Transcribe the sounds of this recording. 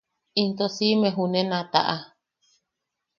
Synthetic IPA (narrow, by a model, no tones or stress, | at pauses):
int̪osimẽɦunẽnãt̪a̰ʔa